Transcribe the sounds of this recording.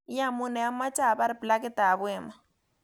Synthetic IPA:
ja˦mu˦nɛ˨a˦ma˦t͡ʃa˦˨ba˦ɾɪ˨pla˦kɪ˦t̪a˨βɛ˨ma

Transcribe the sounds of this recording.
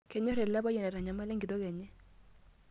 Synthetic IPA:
kɛ˨ɲɔ˦ɾɛ˨la˦bɔ˦jɛ˨nɛ˨ɾa˨ɲa˨ma˦lɛ˦ŋɡi˨dɔ˦kɛ˨ɲɛ˦

